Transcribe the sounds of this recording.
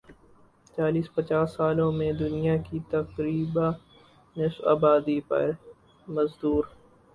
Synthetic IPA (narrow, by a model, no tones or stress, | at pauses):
t͡ʃaːliːspət͡ʃaːsːaːlõmẽd̪ʊnɪjakit̪ɐkɾiːbã | nɪsa̰ːbaːd̪ipɐ̰ɾ | məzd̪uːɾ